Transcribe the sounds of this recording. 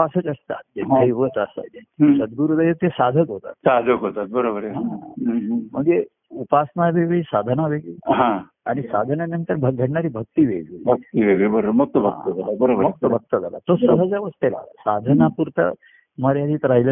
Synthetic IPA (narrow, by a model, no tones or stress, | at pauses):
pasət͡səst̪a̰t̪̚eeiʋət͡s̪asa̰d̪esəd̪̚ɡuɾud̪əjət̪esad̪ʱəkɦot̪a̰t̪sad̪ʱəkɦot̪at̪̚bəɾobəɾeɦã | m̤əɳd͡ze | upasnaʋeʋiːsad̪ʱənaʋeɡiːɦã | aɽ̃isad̪ʱənanənt̪əɾbʱəɡʱəɽɳaɾiːbʱək̚t̪iʋeʋibʱək̚t̪iʋeʋibəɾomək̚t̪əbʱətəd͡zalabəɾobəɾmk̚t̪əbʱək̚t̪əd͡zʱala̰t̪osəɦəd͡zəʋəst̪ela̰la̰sad̪ʱənapuɾt̪ə̰ | məɾjad̪iːt̪ɾailə